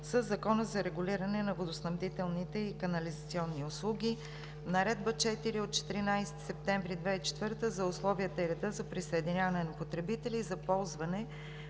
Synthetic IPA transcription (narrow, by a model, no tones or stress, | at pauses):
səzːɐkɔnəzɐɾɛɡʊliɾənɛnɐvod̪osnɐbd̪it̪ɛlˠnit̪ɛikɐnɐlizɐt̪siɔnːiʊslˠuɡʲi | nɐɾɛd̪̚bət͡ʃɛt̪iɾiot̪̚t͡ʃɛ̥t̪iɾinajst̪i̥sɛp̚t̪ɛɱvɾid̪vɛit͡ʃɛ̥t̪vɤɾt̪əzɐʊslˠɔvijət̪əiɾɛd̪ɤzɐpɾisəɛd̪inʲavɐnɛnɐpot̪ɾɛbit̪ɛlizɐpɔlˠzvɐnɛ